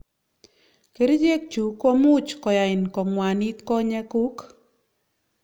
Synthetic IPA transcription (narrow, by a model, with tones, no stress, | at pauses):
ke˨ɾi˦d͡ʒe˦k̚t͡ʃu˨ko˦mu˦t͡ʃkɔ˨ja˨ɪ˨nkɔ˨ŋwa˨ni˦t̪kɔ˦ɲɛ˦ku˦k